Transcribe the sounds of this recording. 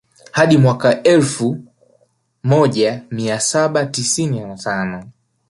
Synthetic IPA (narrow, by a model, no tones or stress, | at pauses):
haɗimwakaʔɛlfu | mɔʄamiasaɓatisininatanɔ